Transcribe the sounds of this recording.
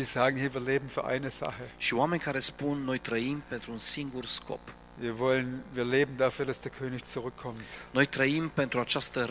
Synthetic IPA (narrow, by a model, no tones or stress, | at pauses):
z̥iːzaːɡŋ̩hiːɐviːɐleːbm̩fyːɐʔa̰ɪnəz̥a̰χəʃioame̞nʲkaɾe̞spunːo̞jt̪ɾəimpe̞nt̪ɾuunsiŋɡurskʰo̰p | viːɐvɔlənviːɐleːbn̩dafyːɐdasd̥eːɐkʰøːnɪçt͡suʁʏkʰːɔmtno̞jt̪ɾəimpe̞nt̪ɾuat͡ʃast̪ə